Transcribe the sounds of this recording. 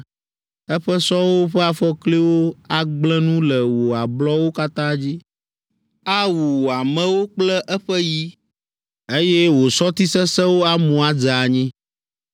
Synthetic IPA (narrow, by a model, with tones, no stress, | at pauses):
ɛ˦ɸɛ˦sɔ˦wo˦ɸɛ˦a˦fɔ˦kli˦wo˦a˦ɡ͡blɛ̃˦nũ˦lɛ˨wo˨a˨blɔ˦wo˦ka˦t̪ã˦d͡ʑi˦ | a˦wu˨wo˨a˨mɛ̃˦wo˦k͡plɛ˦ʔɛ˦ɸɛ˦ji˦ | e˦jɛ˦wo˨sɔ˦t̪i˦sɛ˦sɛ̃˦wo˦a˦mũ˨a˦d͡za˨ɲĩ˦